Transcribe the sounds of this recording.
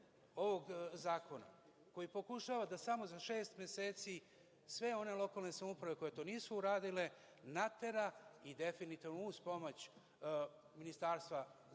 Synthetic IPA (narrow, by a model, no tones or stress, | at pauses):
o̞ʋo̞ɡzaːko̞na̰ | ko̞jipo̞kuʃaːʋad̪asamo̞zaʃe̞ːst̪mje̞se̞ːt̪si | sʋe̞o̞ne̞lˠo̞kalne̞samupɾaʋe̞ko̞je̞t̪o̞ːniːsuːɾaːd̪ile̞ | nat̪e̞ɾaid̪e̞finit̪iːʋnuuːspo̞mot͡ɕ | minist̪aːɾst̪ʋa